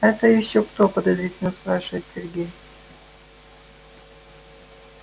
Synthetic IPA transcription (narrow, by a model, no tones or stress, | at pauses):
ɛt̪əjɪɕokt̪opəd̪ɐzɾʲitʲɪlʲnəspɾaʂɨvəɪt̪sʲerɡʲej